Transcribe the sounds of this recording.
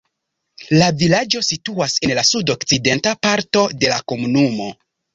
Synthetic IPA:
lavilad͡ʒo̞situase̞nlasudo̞kt͡side̞ntapaɾto̞de̞lako̞munumo̞

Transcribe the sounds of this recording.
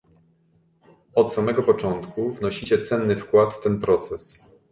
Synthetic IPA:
ɔt̪samɛɡɔpɔt͡ʂɔnt̪kʰuvnɔɕit͡ɕɛt̪sɛnːɘfkwat̪ft̪ɛnpɾɔt̪sɛs

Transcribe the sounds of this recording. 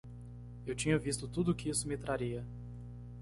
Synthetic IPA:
ewt͡ʃĩɲɐvist̪ʊt̪ud̪ʊkɪisʊmɪt̪ɾaɾiɐ

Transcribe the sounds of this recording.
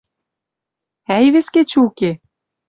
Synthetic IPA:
æjβĕsket͡ɕɘuke

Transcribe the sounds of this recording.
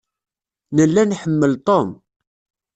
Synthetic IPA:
nəlːænħəmːəlt̪ˤom

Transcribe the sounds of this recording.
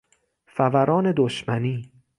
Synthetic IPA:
fævæɾɒːne̞d̪oʃmæniː

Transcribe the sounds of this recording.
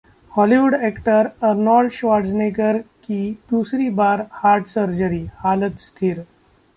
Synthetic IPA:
hɔliʋuɖɛkʈəɾɐɾnɔːɖɕʋaɾʈznekəɾkiːd̪uːsɾibaːɾhaːɾɖsəɾd͡ʒəɾiːhaːlət̪st̪ʰiːɾ

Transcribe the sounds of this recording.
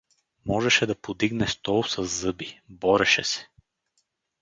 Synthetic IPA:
mɔʒɛʃɛd̪ɐpod̪iɡnɛst̪ɔlˠsɐzːɤbibɔɾɛʃɛsɛ̥

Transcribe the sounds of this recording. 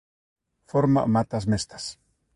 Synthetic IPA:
foɾma̰mat̪asmest̪ḁs

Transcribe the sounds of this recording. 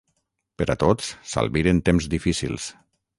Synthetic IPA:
pəɾat̪ot͡ssa̰lˠβiɾent̪emzd̪ifisḭlˠs

